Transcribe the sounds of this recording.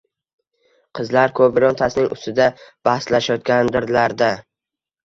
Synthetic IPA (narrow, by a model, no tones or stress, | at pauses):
qʰɨzlaɾkʰɵbɪɾɒnt̪ʰasnɪŋʊ̰st̪ɪd̪ab̥ahslaʃajɒt̪̚kʲand̪ɪɾlaɾd̪a